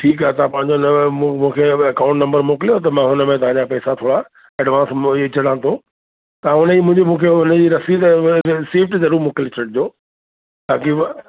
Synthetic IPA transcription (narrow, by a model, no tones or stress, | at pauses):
ʈʰiːk̬aːɦet̪ɐãpɐ̃ɦɪ̃ɲd͡ʑonm̃mũːkʰeɐkãːʊ̃ɳʈnɐ̃mbəɾmoːkɪlijot̪ɐmãɦʊnəmẽt̪ɐɦãd͡ʑapɛːsat̪ʰoːɽa | ɛːɖʋãːnst͡ɕɐɽ̤ãːt̪ʰo | t̪ɐãʊnəiːmʊ̃ɪ̃ɲd͡ʑomũːkʰeʊnəd͡ʑiːɾɐsid̪ɾɪsiːʋʈzɐɾuːɾmoːkɪlot͡ɕʰɐʈ̚d͡ʑoː | t̪ãːki